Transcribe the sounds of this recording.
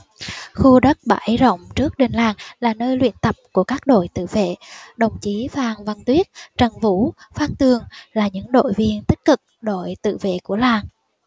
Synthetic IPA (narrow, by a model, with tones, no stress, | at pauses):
xu˧ɗə˦˥t̚ɓa̰ː˧˦˩jzə̰˧˨wŋ͡mt͡ɕɨ˦˥ək̚ɗe˨˩ŋ̟laː˨˩ŋlaː˨˩nəː˧jlwḭ˧˨ənt̪ə˨˩p̚ku˧˩əkaː˦˥k̚ɗo̰˧˨jt̪ɨ̰˧˨vḛ˧˨ɗə˨˩wŋ͡mt͡ɕi˨˦vaː˨˩ŋvə˨˩nt̪wi˦˥ət̚t͡ɕə˨˩ŋvu˧˥faː˧nt̪ɨ˨˩əŋlaː˨˩ɲɨ̰˧˥ŋɗo̰˧˨jvi˧ənt̪i˦˥k̟̚kɨ˨˩k̚ɗo̰˧˨jt̪ɨ̰˧˨vḛ˧˨ku˧˩əlaː˨˩ŋ